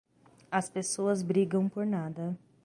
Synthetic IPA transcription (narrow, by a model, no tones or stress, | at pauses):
ɐspesoɐzbɾiɡɐ̃w̃poɾnad̪ɐ